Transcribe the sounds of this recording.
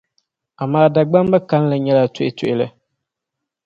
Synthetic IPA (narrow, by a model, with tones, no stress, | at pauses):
a˨maː˦da˨ɡ͡ba˦m˦ba˦ka˨˦n˦la˨ɲɛ˦la˨tʊ˦ʔɪ˦tʊ˨ʔɪ˦lɨ˦